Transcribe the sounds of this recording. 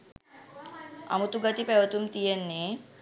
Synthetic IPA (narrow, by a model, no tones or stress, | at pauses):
a̰mut̪uɡət̪ipeʋət̪umt̪ijenːe